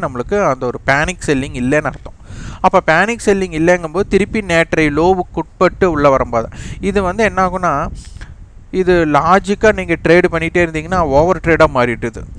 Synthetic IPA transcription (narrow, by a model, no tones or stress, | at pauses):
nɐmːɐɭɯkːɯɐnd̪ɐɔɾɯpaːnɪkːsɛlːɪŋɡɪlːɛnːɐɾɐt̪ːʊ̃ɐpːoːpaːnɪksɛlːɪŋɡɪlːɛɛŋɡɐmboːðɯt̪ɪɾɯpːineːʈɾɐɪloːʋɯkːʊʈ̚pɐʈːɯʊɭːɐʋɐɾɐmboːðɐ̰̃ɪðɯʋɐnd̪ɯɛnːaːɣʊ̃nːaː | ɪðɯlaːd͡ʒɪkːaːniːŋɡɐʈɾeːɖpɐɳːɪʈːeːɪɾɯnd̪iːŋɡɐnːaːoːʋɐɾʈɾeːɽaːmaːɾɪʈːɯðɯ